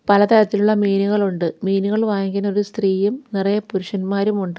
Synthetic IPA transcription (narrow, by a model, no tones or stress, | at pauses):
pɐlɐt̪ɐɾɐt̪ːiluɭːɐmiːnuɣɐɭuɳɖɨmiːnuɣɐɭʋaːŋkino̞ɾust̪riːjumnirɐjɐpuɾuʂɐnmaːɾumuɳɖɨ